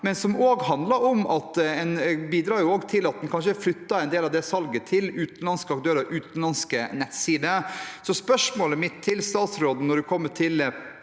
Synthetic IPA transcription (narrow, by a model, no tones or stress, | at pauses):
mɛnsɔmoːɡɦɑnd̪lɑɾɔmɑt̪ɛnbiːd̪ɾɑːɾjʊoːɡt̪ʰɪlɑt̪̚d̪ɛnkʰɑnʂəflʏt̪ːɑɛɪnd̪eːlɑʋd̪ɛsɑlɡət̪ʰɪlʉːt̪n̩lɑnskəɑk̚t̪ʰøːɾəʔʉːt̪n̩lɑnskənɛt̪siːd̪əsɔspœʂmoːləmɪt̪ʰːɪlst̪ɑːt̪sɾoːd̪n̩ɔɖʉkʰɔmːəʈʰɪl